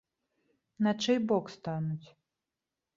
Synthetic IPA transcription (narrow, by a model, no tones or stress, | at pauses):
nɐt͡ʂɛjbɔkst̪anut͡sʲ